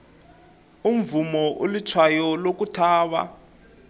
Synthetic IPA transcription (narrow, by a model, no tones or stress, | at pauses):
um̩vumɔʔolitʰwajɔlok̬utʰaːwa̰